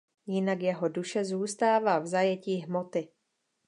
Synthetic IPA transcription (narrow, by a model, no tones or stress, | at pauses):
jɪnakjɛɦoduʃɛzuːst̪aːvaːvzajɛciːɦmot̪ɪ